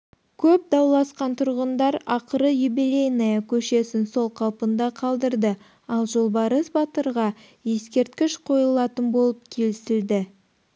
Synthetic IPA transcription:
kʲʰɵp̚d̪ɑwlˠɑsqɑnt̪ʰʊɾʁənd̪ɑɾɑqəɾəjubilʲejnijɑkʲʰɵʃe̞sɪnso̞lˠqʰɑlˠpənd̪ɑqʰɑlˠd̪əɾd̪ə | ɑlˠʒo̞lˠbɑɾəsbɑt̪əɾʁɑ | je̞skʲe̞ɾt̪̚kʲɪʃqʰo̞jəlˠɑt̪ənbo̞lˠəp̚kʲʰe̞lɪsɪld̪ɪ

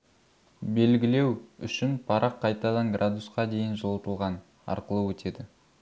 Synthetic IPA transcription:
be̞lɡʲɪle̞wʏ̰ʃɪnpʰɑɾɑqʰːɑjt̪ɑd̪ɑŋɡrʔad̪usqɑd̪e̞jɪnʒolˠt̪əlˠʁɑn | ɑ̰ɾqəlˠəwɵt̪ʰe̞d̪ɪ

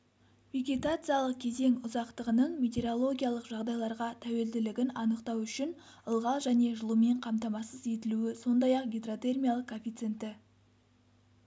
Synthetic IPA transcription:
veɡʲet̪at̪sɨjalˠəq̚kʲʰe̞ze̞ŋʊzɑqt̪əʁənəɴmʲet̪ʲe̞ɾo̞lˠo̞ɡʲijalˠəqʒɑʁd̪ɑjlˠɑɾʁɑt̪ʰæwe̞ld̪ɪlɪɡʲɪnɑnəqt̪ɑwʏʃɪn | əlˠʁɑlˠʒæne̞ʒəlˠume̞ɴqʰɑmt̪ɑmɑsəze̞t̪ɪluɪso̞nd̪ɑjɑqɡʲed̪rot̪e̞rmʲijalˠəqkʰːofʲijt̪sent̪ɪ

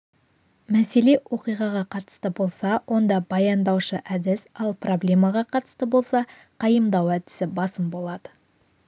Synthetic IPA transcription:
mæse̞le̞wʔo̞qijʁɑʁɑqʰɑt̪ə̥st̪əbo̞lˠsɑwʔo̞nd̪ɑbɑjɑnd̪ɑwʃəʔæd̪ɪsɑlˠpro̞blʲe̞mɑʁɑqʰɑt̪ə̥st̪əbo̞lˠsɑ | qʰɑjəmd̪ɑwæd̪ɪsɪbɑsəmbo̞lˠɑd̪ə

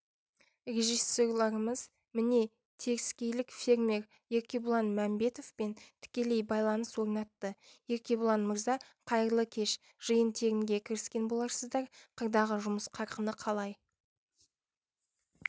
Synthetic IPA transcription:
rʲe̞ʒijso̞rlˠɑɾəməz | mɪne̞ | t̪ʰe̞kɪskʲe̞jlɪkfʲe̞ɾme̞ɾ | je̞ɾkʲe̞bʊlˠɑnmæmbe̞t̪o̞fpe̞nt̪ʰɪ̥kʲe̞le̞jbɑjlˠɑnəswo̞ɾnɑt̪ːəje̞ɾkʲe̞bʊlˠɑnməɾzɑ | qʰɑjəɾlˠəkʲʰe̞ʃ | ʒ̥ɨjənt̪ʰe̞ɡʲɪŋɡʲe̞kʲʰɪɾɪskʲe̞nbo̞lˠɑɾsəzd̪ɑɾqʰəɾd̪ɑʁəʒʊməsqʰɑɾqənəqʰɑlˠɑj

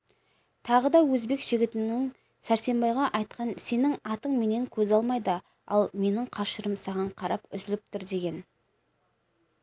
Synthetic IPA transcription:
t̪ʰɑʁəd̪ɑwɵzbe̞kʒ̥ɪɡʲɪt̪ɪnɪŋ | sæɾse̞mbɑjʁɑʔɑjt̪̚qɑnse̞nɪŋɑt̪əɴme̞ne̞ŋkʲʰɵzɑlˠmɑjd̪ə | ɑ̰lˠme̞nɪŋqʰɑʃəɾəmsɑʁɑɴqʰɑɾɑpʏzɪlɪp̚t̪ʊɾd̪e̞ɡʲe̞n

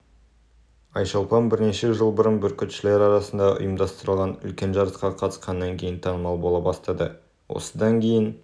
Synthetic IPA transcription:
ɑjʃɑlˠpɑnbɪɾne̞ʃe̞ʒəlˠbʊɾənbʏɾkʲet̪ʃɪle̞ɾɑɾɑsənd̪ɑʔʊ̰jəmd̪ɑst̪əɾəlˠʁɑnʏ̰lkʲe̞nʒɑɾəsqɑqʰɑt̪ə̥sqɑnːɑŋkʲʰe̞jɪnt̪ʰɑnəmɑlˠbolˠɑbɑst̪ɑd̪ə̰ | wʔo̰səd̪ɑŋkʲʰe̞jɪn

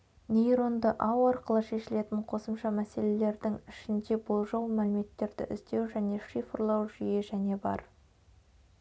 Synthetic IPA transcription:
nʲejɾo̞nd̪əʔɑwɑɾqəlˠəʃe̞ʃɪle̞t̪ɪɴqʰo̞səmʃɑmæse̞le̞le̞ɾd̪ɪŋɪʃɪnd̪e̞bolˠʒɑwmælɪme̞t̪ːe̞ɾd̪ɪ̰ʔɪ̰zd̪e̞wʒæne̞ʃifəɾlˠɑwʒʏje̞ʒæne̞bɑ̰ɾ

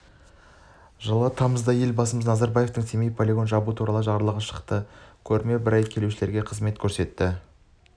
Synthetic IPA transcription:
ʒəlˠɑt̪ʰɑməzd̪ɑje̞lbɑsəməznɑzɑɾbɑje̞ft̪əŋt̪ʰemejpʰo̞lʲeɡo̞nʒɑbut̪ʰuɾɑlˠəʒɑɾəlˠəʁəʃə̥qt̪əkʲʰɵɾme̞bɪɾɑjkʲʰe̞luʃɪle̞ɾɡʲe̞qʰəzme̞t̪kʲʰɵɾse̞t̪ːɪ

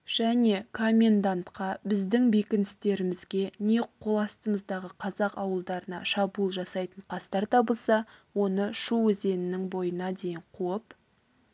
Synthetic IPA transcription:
ʒ̥æne̞kʰo̞mʲe̞nd̪ant̪qɑbɪzd̪ɪŋbekʲɪnɪst̪e̞ɾɪmɪzɡʲe̞ne̞qʰːo̞lˠɑst̪əməzd̪ɑʁəqʰɑzɑqɑwəlˠd̪ɑɾənɑ̰ʃɑbulˠʒɑsɑjt̪əɴqʰɑst̪ɑɾt̪ʰɑbəlˠsɑwo̞nəʃuwɵze̞nɪnɪŋbo̞jənɑd̪e̞jɪɴqʰuəp

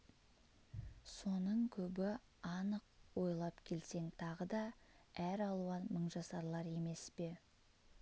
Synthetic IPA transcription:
so̞nəɴkʲʰɵbɪ | ɑnəq̚wo̞jlˠɑpkʲʰe̞lse̞ŋt̪ʰɑʁəd̪ɑ | æɾɑlˠuɑməɴʒɑsɑɾlˠɑɾe̞me̞spe̞

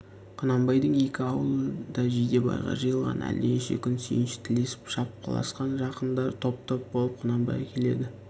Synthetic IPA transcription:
qʰʊnɑmbɑjd̪əɴe̞kʲɪɑwəlˠəd̪ɑʒejd̪e̞bɑ̰jʁɑ̰ʒɯjəlˠʁɑ̰nʔæ̰leʃe̞̰kʲʰʏnsḛjɪnʃɪ̥t̪ʰɪle̞sɪ̥pʃɑp̚qʰɑ̰lˠɑ̰sqɑnʒɑqənd̪ɑɾt̪ʰo̞p̚t̪ʰop̚bo̞lˠəp̚qʰʊnɑmbɑ̰jkʲʰe̞le̞̰d̪ɪ

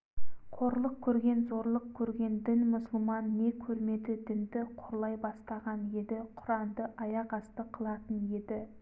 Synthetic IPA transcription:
qʰo̞ɾlˠəq̚kʲʰɵɾɡʲe̞nzo̞ɾlˠəq̚kʲʰɵɾɡʲe̞nd̪ɪnmʊsʊlˠmɑnːe̞kʲʰɵɾme̞d̪ɪd̪ɪnd̪ɪqʰoɾlˠɑjbɑst̪ɑʁɑne̞d̪ɪqʰʊɾɑnd̪əʔɑjɑʁɑst̪əqʰəlˠɑt̪ənje̞d̪ɪ

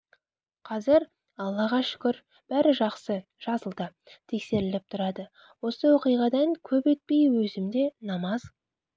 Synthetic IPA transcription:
qʰɑzɪɾ | ɑlˠːɑʁɑʃʏ̥kʲɪɾ | b̥æɾɪʒɑqsə | ʒ̥ɑzəlˠd̪ə | t̪ʰekse̞ɾɪlɪp̚t̪ʰʊɾɑd̪ə | wo̞səwo̞qijʁɑd̪ɑŋkʲʰɵpet̪̚pe̞jwɵzɪmd̪e̞nɑmɑz̥

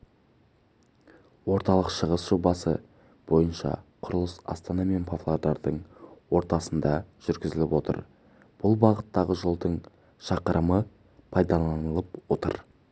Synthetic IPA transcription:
wo̞ɾt̪ɑlˠəqʃəʁəsʒ̥obɑsə̰ | b̥o̞jənʃɑ̰qʰʊɾəlˠəsɑ̰st̪ɑnɑme̞npʰoflˠod̪ɑɾd̪əɴwo̞ɾt̪ɑsənd̪ɑʒ̥ʏɾɡʲɪzɪlɪpwo̞t̪ə̰ɾ | b̥ʊlˠbɑʁət̪ːɑʁəʒolˠd̪əɴ | ʃɑqəɾʔəmə | pʰɑjd̪ɑlˠɑnəlˠəpwo̞t̪ə̰ɾ

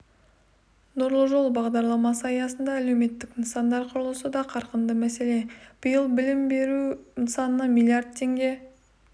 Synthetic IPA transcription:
nʊɾlˠəʒo̞lˠbɑʁd̪ɑɾlˠɑmɑsəɑjɑsənd̪ɑːle̞wme̞t̪ːɪkɪnsɑnd̪ɑɾqʰʊɾlˠəsəd̪ɑqʰɑɾqənd̪əmæse̞le̞b̥ʊjəlˠbɪlɪmbe̞ɾuɪnsɑnənɑmʲilʲˠijard̪̚t̪ʰːe̞ŋɡʲe̞

